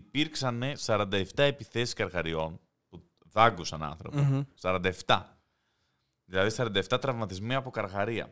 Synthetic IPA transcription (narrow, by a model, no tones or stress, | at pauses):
ipiɾksɐne̞sɐɾɐnd̪ɐeft̪ɐe̞piθe̞si̥skɐɾɣɐɾio̞n | pu | ðɐɡusɐ̰nɐ̰nθɾo̞̰posɐɾɐnd̪ɐe̞ft̪ɐ | ðilɐðisɐɾɐnd̪ɐeft̪ɐt̪ɾɐvmɐt̪izmiɐpokɐɾɣɐɾiɐ̰